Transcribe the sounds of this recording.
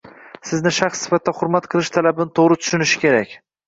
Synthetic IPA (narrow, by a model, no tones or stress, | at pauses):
sɪznɪʃaχsːɪ̥fat̪ʰːaχʊɾmat̪qʰɨlˠɪʃt̪ʰalabɪnɪt̪ʰoʁɾɪt̪ʰʊ̥ʃʊnɪʃɪ̥kʲe̞ɾakʲ